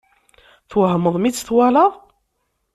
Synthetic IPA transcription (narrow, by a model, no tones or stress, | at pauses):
θwəhəmːəðˤmit͡sːθwalɑʁ